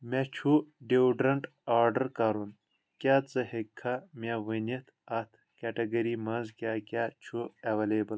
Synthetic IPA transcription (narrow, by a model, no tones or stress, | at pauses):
mat͡ʃʰuɖewɖɾɐɳʈ | aːɾɖɐɾkaːɾun | kʲaːt͡sɐhekʰːamʲawɐnit̪ʰɐt̪ʰ | keʈɐɡɐɾimɐnzkʲakʲaːt͡ʃʰuɐʋɐleːbɐl